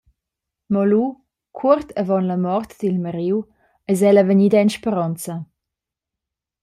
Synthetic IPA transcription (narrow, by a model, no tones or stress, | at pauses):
mɔlu | kʰurt̪ʰəvɔnləmɔrt̪d̪̥ilməɾiw | ɛzɛləvəɲid̪ɛnʃpəɾɔnt͡sə